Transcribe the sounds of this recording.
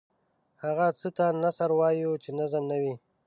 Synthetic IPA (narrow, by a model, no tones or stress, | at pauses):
haɣat͡sət̪anasaɾwɑjut͡ʃenazəmnawi